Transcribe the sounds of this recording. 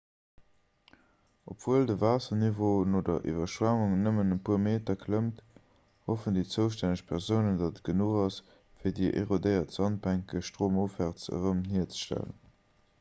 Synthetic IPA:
opv̥uəldəvaːsɐnivoːnoːdɐ̰ʔḭvɐʃvaŋuŋnəmənənpʰuːɐmeːtɐkʰləmt | hofəndiːt͡səʊʃtænəɕpʰæʁzəʊnəndɑdət̚ɡ̥ənuːχɑs | fiːɐdiːʔḛʁodəɪɐtz̥ɑnt̚bæŋkəʃtʁ̥oːmofæːʁt͡sə̰ʁəmhiɐt͡sə̥ʃtæ̰lə̰n

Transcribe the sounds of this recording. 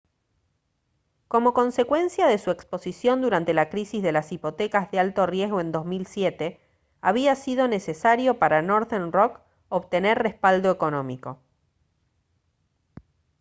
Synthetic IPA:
ko̞mo̞ko̞nse̞kwe̞nsjaðesuekspo̞sisjo̞nd̪uɾant̪e̞lakɾisizðe̞lasipo̞t̪ekazðealt̪o̞rje̞zɣoẽ̞nd̪o̞zmilsjet̪e | aβ̞iasið̞o̞ne̞sesaɾjo̞paɾanoɾðenrok | oβt̪eneɾrespald̪o̞eko̞nõ̞miko̞

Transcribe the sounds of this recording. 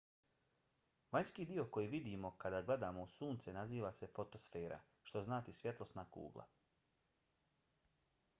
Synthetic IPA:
ʋaɲskiːd̪io̞ko̞jiʋid̪imo̞kad̪aːɡle̞d̪aːmo̞usuːnt̪senaziːʋase̞fo̞t̪o̞sfe̞ːɾa̰ | ʃt̪o̞znaːt̪isʋje̞t̪lˠo̞snakṵːɡlˠa̰

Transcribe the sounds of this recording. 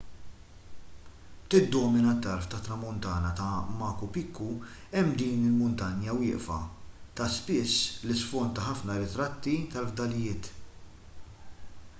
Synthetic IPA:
t̪ɪd̪ːɔːmɪnɐt̪ːɐɾft̪ɐt̪ːɾɐmʊnt̪ɐːnɐt̪ɐmɐːkupɪkʰːuɛmːd̪iːnɪlmʊnt̪ɐnjɐwɪːʔfɐ̰t̪ɐspɪsːlɪsfɔnt̪ːɐħɐfnɐɾɪt̪ɾɐt̪ːit̪ɐlvd̪ɐlɪjɪːt̪

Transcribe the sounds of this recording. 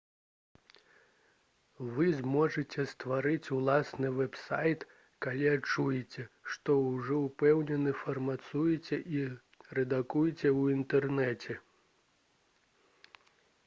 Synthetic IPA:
vɨzmɔʐɨt͡sʲɛst̪vaɾɨt͡sʲulˠasnɨvɛpsajt̪ | kalʲiat͡ʂːujɛt͡sʲɛʂt̪ɔwʐɔwpɛwnʲɛnɨfɐrmat̪sujɛt͡sʲɛʔi | rɛd̪akujɛt͡sʲɛwint̪ɛrnɛt͡sʲɛ

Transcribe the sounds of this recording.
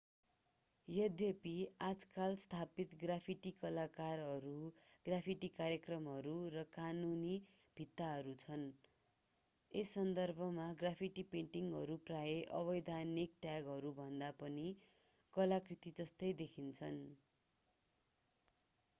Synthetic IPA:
jʌd̪ʱjepiad͡zkalst̪ʰapit̪ɡrapʰiʈikʌlakarɦʌɾuɡ̥rapʰiʈikaɾjekrʌmɦʌɾurʌkanuni | bʱit̪ːaɦʌɾut͡sʰʌn | esːʌnd̪ʌrbʱʌmaɡrapʰiʈipeɳʈiŋɦʌɾupraeʔʌ̰βʌjd̪ʱanik̚ʈjaɡɦʌɾubʱʌnd̪apʌni | kʌlakrit̪id͡zʌst̪ʌjd̪ekʰint͡sʰʌn

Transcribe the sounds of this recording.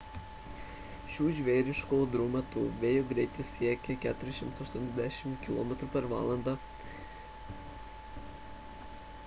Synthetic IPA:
ʃʲuːʒʲʋʲeːɾʲɪʃkoːd̪ɾumʲɛt̪uːʋʲeːjoɡɾʲɛɪt̪ʲɪsʲiɛkʲɛkʲæːt̪ʊɾʲɪʃʲɪmt̪sɐʃt̪uɔnʲɛzd̪ʲæʃʲɪmkʲɪlˠo̰ːmʲɛt̪ɾupʲɛɾʋɑ̰ːlˠɐnd̪ɑ

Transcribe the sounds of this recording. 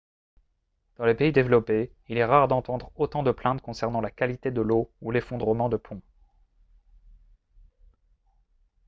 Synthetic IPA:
d̪̥ɑ̃lepeid̪evlɔpe | ilɛʁaʁd̪ɑ̃t̪ɑ̃d̪ʁot̪ɑ̃d̪əplɛ̃t̪̚kɔ̃sɛʁnɑ̃lakalit̪ed̪əloulefɔ̃d̪ʁəmɑ̃d̪əpʰɔ̃

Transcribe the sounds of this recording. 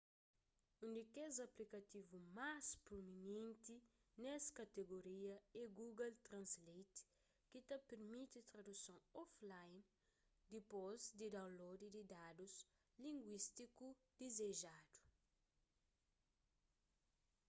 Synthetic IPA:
ũnd̪ikezɐplikɐt̪ivumaspɾominẽnt̪i | nɛskɐt̪eɡoɾiɐeɡuɡɐlt̪ɾɐ̃nslejt̪ | kit̪ɐpeɾmit̪it̪ɾɐdusõŋɔflajn | d̪ipozd̪idãw̃lod̪ididadus | lĩŋɡwist̪ikud̪̥ezeʒadu̥

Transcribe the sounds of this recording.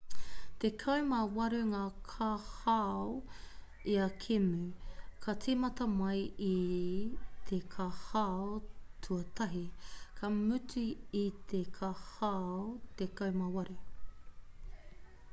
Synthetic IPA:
t̪ekʰɐwmɐwɐɾʉŋaːkʰaha | iɐkʰemʉkʰɐt͡simɐtɐmɐji | t̪ʰekʰahaotʰuɐtʰɐɦikʰɐmʉtiit̪ʰekʰahaot̪ekɐwmɐwɐɾu

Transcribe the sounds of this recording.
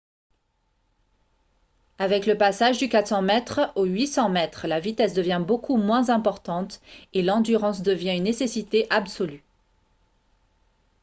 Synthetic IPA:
avɛkləpasaʒd̪ykat̪sɑ̃mɛt̪χoɥisɑ̃mɛt̪χlavit̪ɛsd̪əvjɛ̃bokʰumwɛ̃zɛ̃pɔʁt̪ɑ̃t̪elɑ̃d̪yʁɑ̃sd̪əvjɛ̃ynːesesit̪eʔabsɔly

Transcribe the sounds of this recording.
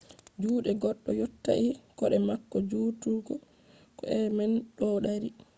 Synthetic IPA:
d͡ʒuːɗɛɡɔɗːɔjotːa̰ʔikɔɗɛmakːɔd͡ʒuːtuɾɡɔ | kɔʔɛmɛnɗɔːɗaɾi

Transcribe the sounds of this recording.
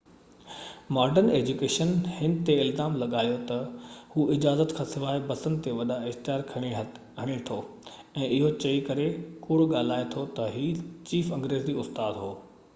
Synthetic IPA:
maːɾɖəɾneːd͡ʑukeːʃənhɪnt̪eɪlzaːmlɐɠaːjot̪ɐhuːɪd͡ʑaːzət̪kʰãːsɪʋaːebɐsə̃nd̪t̪eʋɐɗaɪxt̪ɪjaːɾkʰɐɽ̃eɦ | ɦɐɽ̃et̪ʰo | ɛ̃ːʔɪɦot͡ɕɐikɐɾekuːɽɠaːl̤aːet̪ʰot̪ɐɦiːt͡ɕiːfɐ̃ŋɡɾeːzd͡ʑiʊst̪aːd̪ɦoː

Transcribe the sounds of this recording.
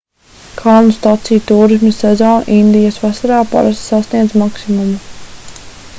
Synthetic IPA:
kʰalˠnust̪at̪sijt̪uːɾis̬misɛzɔːn̰ʔind̪ijasvasaɾaːpa̰ɾast̪sasniɛd̪zmaksimumu

